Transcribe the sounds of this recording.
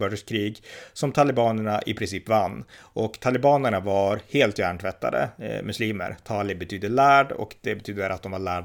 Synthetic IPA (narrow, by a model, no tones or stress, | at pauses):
œːɖəʂkʰɾiːɡsɔmt̪ʰalɪbɑːnæɳaʔɪ̰pʰɾɪnsiːpvanː | ʔɔkt̪ʰalɪbɑːnəɳavaɾheːlt̪jæːɳʈʰvɛt̪ːa̰d̪ə̰mɵsliːmə̰ɾt̪ʰɑːlɪbɛt̪ʰyːd̪əlæːɖɔ̰kd̪ɛbɛt̪ʰyːd̪əɾʔat̪̚d̪ɔmvaɭæːɖ